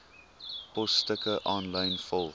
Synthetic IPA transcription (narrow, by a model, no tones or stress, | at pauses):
pɔstəkəʔɔ̃nlãj̃nfɔlˠ